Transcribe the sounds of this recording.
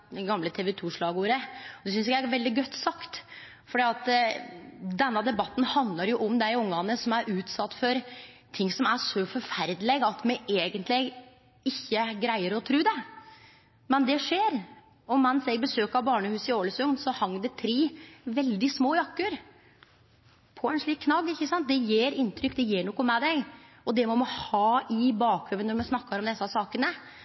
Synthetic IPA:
d̪ɛɡɑmlət̪ʰeːʋɛt̪ʰuːʂɭɑːɡuːɾəɔd̪ɛsʏnsɪkææʋɛld̪ɪɡœt̪ːsɑkt̪ | fɔɖiːɑt̪ | d̪ɛnːɑd̪ɛbɑt̪ːn̩hɑnd̪lɑɾjʊʔɔmd̪æɪʊŋːɑnəsɔmæɾʉːt̪sɑt̪ːfɔɾ | t̪ʰɪŋːsɔmæʂɔfɔɾfæɾd̪lɪɡɑt̪mɛʔeːɡənt̪lɪ | ɪçːəɡɾæɪəɾɔt̪ʰɾʉːd̪ɛ | mɛnd̪ɛʂeːɾ | ɔmɛnsɛɡbəsøːkɑʋbɑːɳəhʉːsɪoːləsʉnsɔhɑŋːd̪ɛt̪ʰɾiːʋɛld̪ɪsmoːjɑkːəɾ | pʰɔɛnʂɭiːkʰːnɑɡːɪçːəsɑnt̪̚d̪ɛjeːɾɪnːt̪ʰɾʏkːd̪ɛjeːɳɔːkːɔmɛd̪ɛɡ | ɔd̪ɛmɔmɑhɑːɪbɑːkʰhøːʋənɔɾmɛsnɑkːɑɾɔmd̪ɛsːəsɑːkənə

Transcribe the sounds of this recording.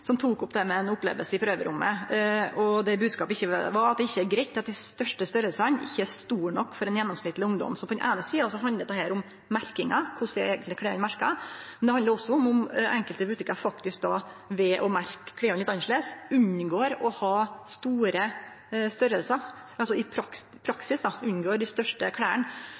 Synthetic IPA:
sɔmt̪ʰuːkʊpːd̪ɛmɛɛnʊpːlḛːʋə̰lsəɪpʰɾøːʋə̰ɾʊmːə̰ɔd̪ɛbʉːd̪skɑːpəɪçːəʋɑɾɑt̪d̪ɛɪçːəæɾɡɾɛɪt̪ʰːɪlɑt̪d̪æɪst̪œʂʈəst̪ʏɾəlsɑnɪ̰çːəæst̪uːɳɔ̰kːfɔɾɛnjɛnːɔmsnɪt̪ːlɪʊŋd̪ɔ̰msɔmpɔd̪ɛnʔæ̰ːnəsiːɑsɔɦɑnd̪əɾd̪ɛhæːɾʊm | mæɾkɪŋɑkʰʊsæeːɡənɪkʰɽeːʊnmæɾkɑ̰mɛnd̪ɛhɑnd̪əɾɔsːɔʊmʊmʔɛŋkəlt̪əbʉt̪ʰɪkːɑɾfɑkt̪ɪsk̚d̪ɑʋɛʔɔmæɾkʰːɽɛːɔnɪt̪ːɑnʂɭesʉnɡoːɾɔhɑːst̪uːɾə | st̪ʏɾəlsə | ʔɑlsɔɪpʰɾɑk | pʰɾɑksɪsd̪ɑʉnɡoːɖɪst̪œʂʈəkʰɽæːəɳ

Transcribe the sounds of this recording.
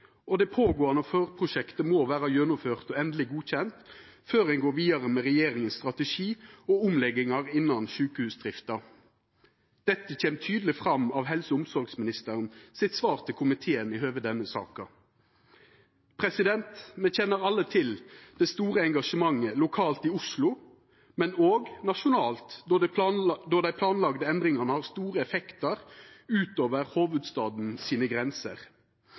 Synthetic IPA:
ɔd̪ɛpʰoːɡoːɑnəføːʁpʰʁʊʃɛkt̪əmoːʋæːɾɑjœnʊmføːʁt̪ɔɛnd̪lɪɡuːçɛnt̪ | føːɾɛnɡoːʋiːɑʁəmɛʁɛjeːɾɪŋənst̪ʁɑt̪əʂiːɔʊmlɛɡɪŋɑʁɪnːɑnʃʉːkəhʉːsd̪ʁɪft̪ɑ | d̪̥ɛt̪ːəçeːmt̪ʰyːd̪əlɪfʁɑmːɑʋɦɛlsəʊmsɔɾɡsmɪnɪst̪əʁənsɪt̪sʋɑːʁt̪ʰɪlkʰʊmɪt̪ʰeːənɪhøːʋəd̪ɛnːəsɑ̰ːkɑ | pʰʁɛsɪd̪ɛnt̪mɛçɛnːəʁɑlːət̪ʰɪld̪̥ɛst̪uːʁəɛŋɡɑʂəmɑŋːəlʊkʰɑːlt̪ɪʊslʊ | mɛnoːɡnɑʂʊnɑːlt̪ | d̪ɔd̪æɪpʰlɑːnlɑɡd̪əɛnd̪ʁɪŋəʁnəhɑʁst̪uːʁəɛfɛkt̪əʁʉːt̪oːʋəʁhoːʋəd̪st̪ɑːd̪n̩siːnəɡʁɛnsə̰ʁ

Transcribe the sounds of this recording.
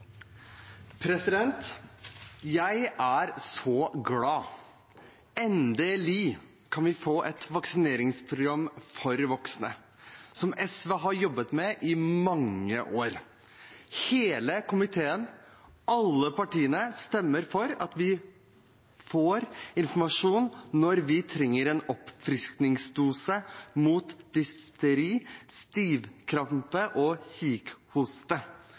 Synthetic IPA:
pʰɾɛsɪd̪ɛnt̪ | jæɪæɾsɔɡlɑː | ɛnd̪ɛliː | kʰɑnʋɪfoːʔɛt̪ʋɑksɪneːɾɪŋspʰɾʊɡɾɑmːfɔɾʋɔksnə | sɔmɛsʋeɦɑɾjɔbːət̪mɛʔɪmɑŋːə̰ʔoːɾ | heːləkʰʊmɪt̪ʰeːənɑlːəpɑʈiːənəst̪ɛmːəɾfɔɾɑt̪ʋɪ | foːɾɪnfɔmɑʂuːnːɔɾʋɪt̪ʰɾɛŋːəɾeːnɔpfɾɪsk̪nɪŋsd̪uːsəmuːt̪d̪̥ʏst̪əɾiːst̪iːʋkʰɾɑmpəʔɔçiːkhuːst̪ə

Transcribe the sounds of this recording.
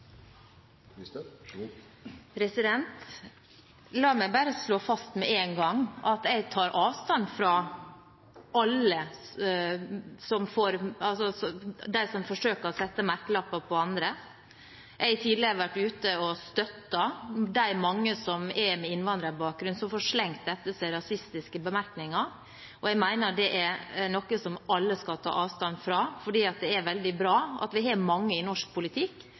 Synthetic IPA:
pʰɾɛsɪd̪ɛnt̪ | lɑːmæɪbæːɾəsloːfɑst̪mɛenɡɑŋːɑt̪ɛɪɡt̪ʰɑːɾʔɑːʋst̪ɑnfɾɑ | ɑlːə | sɔmfoːɾɑlsɔsɔd̪æɪsɔmfɔʂøːkəɾɔsɛt̪ːəmæɾkəlɑpːɑpʰɔɑnd̪ɾə | æhɑt̪ʰiːd̪lɪəɾəʋæʈːʉːt̪əɔst̪œt̪ːɑd̪æɪmɑŋːəsɔmɛmɛɪnʋɑnd̪ɾəɾbɑːk̚ɡɾʉnsɔmfɔːʂlɛŋkt̪ɛt̪ːəsæɪɾɑsɪst̪ɪskəbəmæɾknɪŋɑ | ʔɔɛɡmæɪnəd̪ɛʔæɾnɔkːəsɔmɑlːəskɑlt̪ʰɑ̰ːʔɑːʋst̪ɑnːfɾɑfɔɖiːɑt̪̚d̪ɛæɾʋɛld̪ɪbɾɑːɑ̰t̪ʋɪhɑmɑŋːəɪnɔʂk̚pʰʊlɪt̪ʰɪkː

